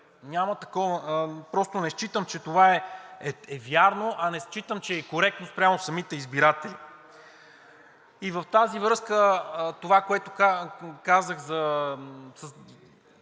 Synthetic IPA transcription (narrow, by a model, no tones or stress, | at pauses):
nʲamət̪ɐkɔvəpɾɔst̪onɛst͡ʃit̪əmt͡ʃɛt̪ovaɛɛɛvjaɾnoʔɐnɛst͡ʃit̪əmt͡ʃɛːkoɾɛk̚t̪nost̪pɾʲjamosɐmit̪ɛizbiɾat̪ɛli | ivəft̪azivɾɤskət̪ovakoɛt̪okakazəxzɐ | sə